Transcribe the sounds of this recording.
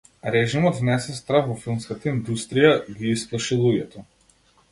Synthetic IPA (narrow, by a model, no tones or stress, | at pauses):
ɾɛʒimɔd̪vnɛsɛst̪ɾafvɔfilˠmskat̪aind̪ust̪ɾijaɡiisplˠaʃilˠuɡɛt̪ɔ